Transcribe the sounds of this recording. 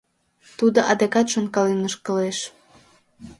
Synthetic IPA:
t̪ud̪oʔɑd̪ekɑt̪ʃonkɑlenəʃkəleʃ

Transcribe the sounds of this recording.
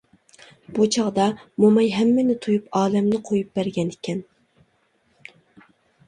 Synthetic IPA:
b̥ut͡ʃʰɑʁd̪ɑmomɑjɦɛmːɪnɪt̪ʰujupɑːlɛmnɪqʰojup̚bæɾɡʲɛnɪkʲʰɛn

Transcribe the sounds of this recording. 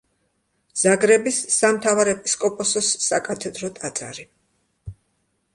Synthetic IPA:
z̥aɡɾɛbisːamt̪ʰavaɾɛpʼiskʼɔpʼɔsɔsːakʼat̪ʰɛd̪ɾɔt̪ʼat̪sʼa̰ɾi

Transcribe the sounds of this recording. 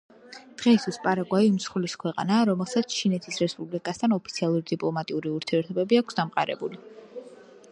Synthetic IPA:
d̪̥ʁɛist̪ʰuspʼaɾaɡwaimsχliskʰwɛqʼa̰naɾɔmɛlˠsat̪sʰt͡ʃʰinɛt̪ʰisɾɛspʼublikʼast̪ʰanɔpʰi̥t̪sʰialˠuɾd̪ipʼlˠɔmat̪ʼiuɾiuɾt̪ʰiɛɾt̪ʰɔbɛbiakʷʰsd̪amqʼaɾɛ̰buli

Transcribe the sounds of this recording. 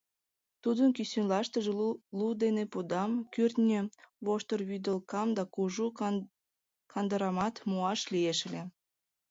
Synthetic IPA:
t̪ud̪ənkysynlɑʃt̪əʒelud̪enepud̪ɑmkyrt̪nʲøβoʃt̪ərβyd̪əlkɑmd̪ɑkuʒu | kʰɑnd̪əɾɑmɑt̪muɑʃlieʃəlʲe

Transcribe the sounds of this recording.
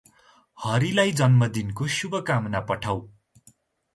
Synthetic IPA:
hʌɾilajd͡zʌnmʌd̪inkosubʱʌkamnapʌʈʰaw

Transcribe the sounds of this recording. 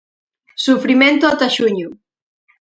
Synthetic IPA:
sufɾimẽnt̪oat̪aʃuɲʊ

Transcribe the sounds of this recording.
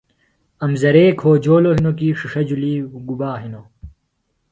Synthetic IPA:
ɐmzɐɾeːkʰoːd͡ʑoːloɦinokiːʂiʂɐd͡ʑuliːɡubaːɦino

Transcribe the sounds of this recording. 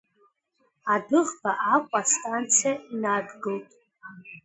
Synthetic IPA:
adɨʁbaʔakʷʼastʼant͡sʰijainadɡɨltʼ

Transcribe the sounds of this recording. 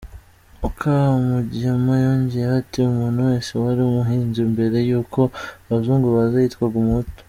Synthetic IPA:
ukʰaamuɟiamajoːɲɟijehatiumuːnhuwe̞ːnsewaɾiumuɦiːnzumbe̞ɾe̞juːko̞βazuːŋɡuβazajitkwaɡumuto̥

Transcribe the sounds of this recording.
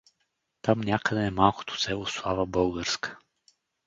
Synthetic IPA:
t̪amnʲakəd̪ɛːmalˠkʊ̥t̪o̥sɛlˠoslˠavəbɤlˠɡəɾskə̥

